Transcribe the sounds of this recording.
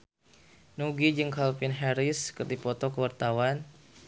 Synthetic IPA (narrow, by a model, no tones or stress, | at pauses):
nuɡid͡ʒɨŋkalpinɦɛɾiskərd̪ipɔt̪ɔkəwart̪awan